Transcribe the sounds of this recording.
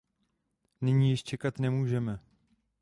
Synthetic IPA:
nɪɲiːjɪʃt͡ʃɛkat̪nɛmuːʒɛmɛ

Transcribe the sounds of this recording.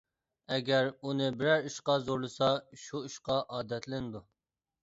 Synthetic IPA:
ɛɡʲɛɾunɨbɪɾæɾuʃqɑzoɾlˠɨsɑʃuuʃqɑʔɑːd̪ɛt̪ʰlɪnd̪u

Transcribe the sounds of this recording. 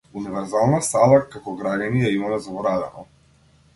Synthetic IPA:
univɛɾzalˠnasalˠakakɔɡɾaɟanijaimamɛzɔbɔɾad̪ɛnɔ̰

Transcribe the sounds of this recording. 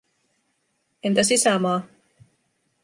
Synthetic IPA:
ent̪æsisæmɑː

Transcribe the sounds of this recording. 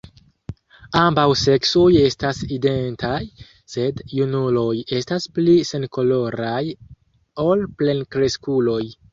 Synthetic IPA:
ambawse̞ksoje̞staside̞ntʰaj | se̞djunulo̞je̞stasplise̞nko̞lo̞ɾaj | o̞lple̞nkɾe̞skulo̞j

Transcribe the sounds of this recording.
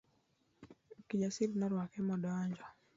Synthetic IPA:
kiɲasiɾnɔɾwakɛmɔdɔaɲd͡ʒɔ

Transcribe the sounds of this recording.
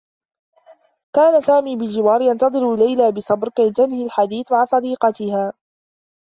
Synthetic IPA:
kaːnasaːmiːbɪld͡ʒɪwaːɾjɑnt̪ɑðˤɨɾlajlaːbɪsˤɑbɾkajt̪anhilħad̪iːθmaʕasˤɑd̪iːqɑt̪ɪhaː

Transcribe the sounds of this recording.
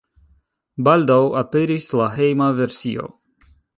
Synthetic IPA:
baldawapeɾislaɦejmaveɾsio̞̰

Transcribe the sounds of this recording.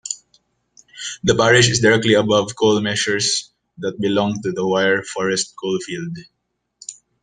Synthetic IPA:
d̪əpæɹɪʃɪsdɪɹɛk̚t̪liɐbʌvkʰolmɛʃəɹs | d̪ət̪̚bɪlɔ̃ŋt̪ud̪əwaɪəɹfɔɹɛst̪̚kʰolfild̪

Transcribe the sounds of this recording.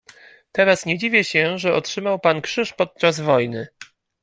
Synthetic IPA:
t̪ɛɾasɲɛd͡ʑivʲjɛɕɛʐɛʔɔtʂɘmawpankʂɘʂpɔt̪̚t͡ʂazvɔjnɘ

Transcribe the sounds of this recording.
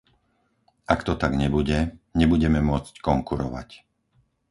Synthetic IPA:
ʔakt̪ɔt̪aɡɲɛbuɟɛɲɛbuɟɛmɛmʊɔt͡sckɔŋkuɾɔ̰ʋa̰c

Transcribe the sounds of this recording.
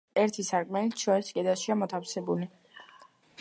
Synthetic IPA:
ɛɾt̪ʰisaɾkʼmɛlit̪ʰʃɔɾiskʼɛd̪aʃiamɔt̪ʰafsɛbuli

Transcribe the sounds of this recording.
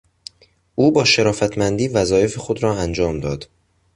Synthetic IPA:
ʔuːbɒːʃeɾɒːfæt̪ʰmænd̪iːvæzɒːje̞fexod̪ɾɒːænd͡ʒɒːmd̪ɒːd̪̥

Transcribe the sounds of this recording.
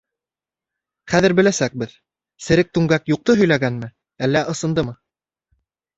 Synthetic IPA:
χæðɘ̆ɾbɘ̆læsæk̚bɘð | sɘ̆ɾɘk̚t̪ʉŋɡækjuq̚t̪ɤɦɵ̆jlæɡænmɘ | ælːæʔɤ̆sɤ̆nd̪ɤmɤ

